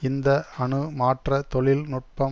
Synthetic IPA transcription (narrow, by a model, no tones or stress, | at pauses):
ɪnd̪ɐɐɳɯmaːʈrɐt̪ɔɭɪlnʊʈ̚pɐ